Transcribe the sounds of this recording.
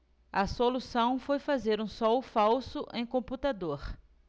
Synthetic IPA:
ɐsolusɐ̃w̃fojfazeɾũsɔwfawsʊʔẽj̃kõput̪ad̪oɾ

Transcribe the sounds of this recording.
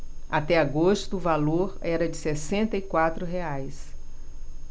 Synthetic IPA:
at̪ɛaɡost̪ʊːvaloɾɛɾɐd͡ʒɪsesẽnt̪ɐikwat̪ɾʊɦeajs

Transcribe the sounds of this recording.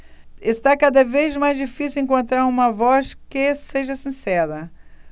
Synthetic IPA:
est̪akad̪ɐvezmajzd͡ʒifisiwẽŋkõnt̪ɾaɾũmɐvɔskɪseʒɐsĩsɛɾɐ

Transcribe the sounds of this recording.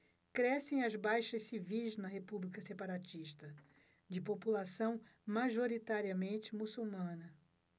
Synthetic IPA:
kɾɛsẽj̃ɐzbajʃɐʃsivijznɐɦepublikɐsepaɾat͡ʃiʃt̪ɐ | d͡ʒɪpopulasɐ̃w̃maʒoɾit̪aɾiɐmẽnt͡ʃɪmusuwmɐ̃nɐ

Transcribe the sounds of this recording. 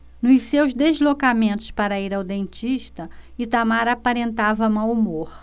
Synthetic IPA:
nʊsewzd̪ezlokamẽnt̪ʊ̥spaɾɐiɾawd̪ẽnt͡ʃiʃt̪ɐit̪amaɾapaɾẽnt̪avɐmawumoχ

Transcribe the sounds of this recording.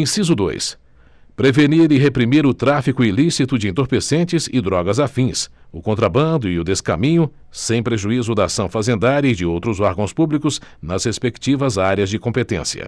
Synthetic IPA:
ẽsizʊd̪o̰js | pɾeveniɾɪɦepɾimiɾʊt̪ɾafikʊilisit̪ʊd͡ʒɪẽnt̪oɾpesẽnt͡ʃɪzɪd̪ɾɔɡɐzafĩsʊkõnt̪̬ɾabɐ̃nd̪ʊiʊd̪eska̰mĩɲʊ | sẽj̃pɾeʒuizʊd̪ɐasɐ̃w̃fazẽnd̪aɾjɐɪd͡ʒɪowt̪ɾʊzɔɾɡɐ̃w̃spublikʊz | nɐzhespekt͡ʃivɐzaɾjɐzd͡ʒɪkõmpet̪ḛ̃sjɐ̰

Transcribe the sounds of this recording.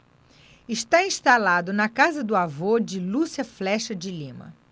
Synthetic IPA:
ɪʃt̪aĩst̪alad̪ʊnɐkazɐd̪ʊavod͡ʒɪlusiɐflɛʃɐd͡ʒɪlĩmɐ̰

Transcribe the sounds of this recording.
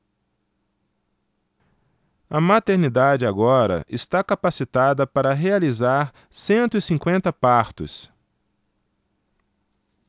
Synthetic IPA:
ɐmat̪eɾnid̪ad͡ʒɪaɡɔɾɐ̰ʔɪst̪akapasit̪ad̪ɐpaɾɐɦealizaɾ | sẽnt̪ʊɪsĩŋkwẽnt̪ɐpaɾt̪ʊ̰s

